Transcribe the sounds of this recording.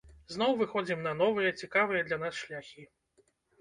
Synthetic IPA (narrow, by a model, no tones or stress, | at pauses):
zn̪ɔwvɨxɔd͡zʲimnɐnɔvɨjɐt͡sʲikavɨjɐd̪lʲɐnasʃlʲaxʲi